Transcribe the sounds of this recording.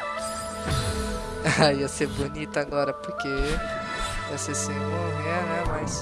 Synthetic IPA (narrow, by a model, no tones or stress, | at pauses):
aiɐseɾbonit̪ɐaɡɔɾɐpoɾke | vosesemõɛnɛmajs